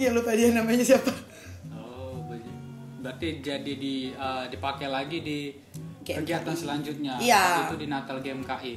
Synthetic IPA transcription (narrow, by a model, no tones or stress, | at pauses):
ialot̪adianamaɲasiapa | obəd͡ʒbɾat̪id͡ʒadidiədipakɛlaɡidi | ɡekəɡiat̪ansəlaɲd͡ʒʊt̪̚ɲaaiudinat̪alɡɛmkaʔi